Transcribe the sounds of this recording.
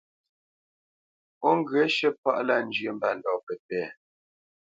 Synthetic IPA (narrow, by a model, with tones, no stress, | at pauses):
ɔ˦ŋ˦ɡɰə˨˦ʃə˦pa˦ʔla˦˨n˦d͡ʒɥə˨m̩˦ba˦n̩˨dɔ˨pɛ˨tɛː˦˨